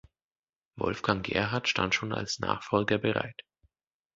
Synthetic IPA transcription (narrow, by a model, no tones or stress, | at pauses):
vɔ̰lfɡ̥aŋɡɛ̰ɐɦaɐtʃta̰ntʃoːna̰lsna̰ːχfɔlɡɐbəʁa̰ɪt